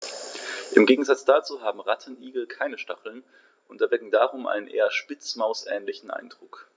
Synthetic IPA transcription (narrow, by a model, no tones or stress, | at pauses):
ʔɪmɡeːɡŋ̩zat͡sd̥aːt͡suːɦaːbm̩ʁatʰənʔiːɡl̩kʰaɪnəʃtaχl̩n | ʔʊntɛɐvɛkŋ̩daːʁʊmʔa̰ɪnənʔḛːɐʃpɪt͡smaʊsʔɛːnlɪçn̩ʔa̰ɪnd̥ʁʊk